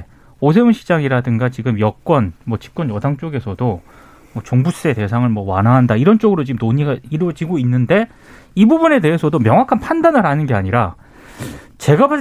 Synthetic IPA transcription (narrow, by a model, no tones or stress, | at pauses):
os̬ʰeunɕʰid͡ʑaŋiɾadɯŋɡat͡ɕiɡɯmjʌk͈wʌnmwʌt͡ɕi̥p̚k͈wʌnjʌdaŋt͡ɕ͈oɡe̞sʰʌdo | mʌt͡ɕoŋbus͈e̞te̞sʰaŋɯɭmwʌwa̰nɦaɦandaiɾʌnt͡ɕ͈oɡɯɾot͡ɕiɯmnoɲiɡaiɾʌd͡ʑiɡoinːɯnde̞ | ibubune̞de̞ɦesʰʌdomjʌŋwakʰanpʰandanɯɾɦanɯnɡe̞aɲiɾa | t͡ɕe̞ɡapa